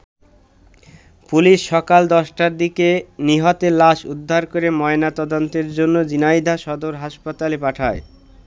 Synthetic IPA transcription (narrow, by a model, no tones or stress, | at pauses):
puliʃːɔkald̪ɔʃʈaɾd̪ikeniɦot̪elaʃud̪ʱːaɾkoɾemɔenat̪ɔd̪ont̪eɾd͡ʑonːod͡ʑinajd̪ʱaʃɔd̪oɾɦaʃpat̪alepaʈʰae